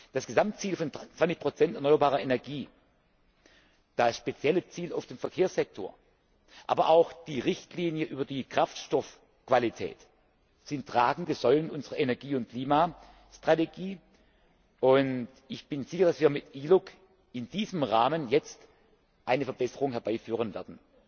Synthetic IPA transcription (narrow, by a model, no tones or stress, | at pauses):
d̥asɡ̥əzamtt͡siːlfɔnt͡sv̥ant͡sɪçpʁ̥ot͡sɛntɛɐnɔʏɐbaːʁɐenɛɐɡiː | d̥asʃpet͡sjɛlət͡siːlaʊfd̥eːmfɛɐkʰeːɐsz̥ɛk̚tʰo̰ːɐ | ʔaːbɐʔaʊxd̥iːʁɪçtliːnjəʔyːbɐdiːkʁ̥aftʃtɔf | kv̥alitʰɛ̰ːt | z̥ɪntʁ̥aːɡŋ̩dəz̥ɔlənʔʊnzəʁɐʔenɛɐɡiːʊntkl̥iːma | ʃtʁ̥ateɡiː | ʔʊnt | ɪçb̥ɪnzɪçɐdasviːɐmɪtʔiːlʊk | ɪndiːzəmʁaːmənjɛt͡st | ʔaɪnəfɐbɛsəʁʊŋhɛɐb̥aɪfyːʁənvɛɐdn̩